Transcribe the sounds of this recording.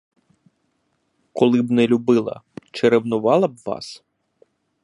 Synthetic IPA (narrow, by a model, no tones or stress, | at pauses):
kɔlˠɪbnɛlʲubɪlˠɐ̰t͡ʃeɾewnʊʋɑlˠɐbʋɑ̰s